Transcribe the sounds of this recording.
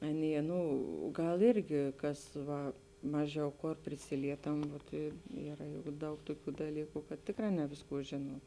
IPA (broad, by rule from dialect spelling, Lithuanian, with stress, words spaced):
ˈɑːˌnʲiɛ ˈnʊ ˈɡɐlˠ ˈɪrʲɡʲɪ ˈkɐs ˈʋɐ ˈmɑːˌʒʲɛʊ ˈkoːr pʲrʲɪˈsʲɪlʲiɛtɐm ʋoːt ɪ ˈiːrɐ jʊk ˈdɐʊk ˈtoːˌkʲuː dɐˈlʲiːkʊ kɐt ˈtʲeːkˌrɑː ˈnʲɛ ʋʲeːsˌkuː ˈʒʲeːnuɔm